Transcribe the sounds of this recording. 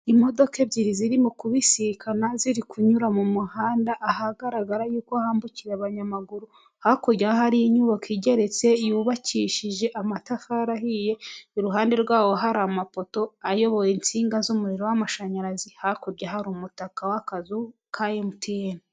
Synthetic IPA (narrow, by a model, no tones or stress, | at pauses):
imo̞do̞ke̞bɟiɾiziɾimukuβisikʰanaziɾikʰuɲuɾamumuhaːndaʔːhaɡaɾaɡaɾajuːkoahaːmbuciɾeaβaɲamaɡuɾu | hakoɟahaɾijiɲuβakiɟe̞ɾe̞t͡se̞juβaciʃiʒe̞ʔamatafaɾahije̞uɾuɦaːnde̞ɾɡwaːwo̞ɦaɾamapo̞to̞ajo̞βo̞jint͡siːŋɡazumuɾiɾo̞wamaʃaɲaɾazihakoɾɟaɦaɾumutakawakazu | kʰajemutieni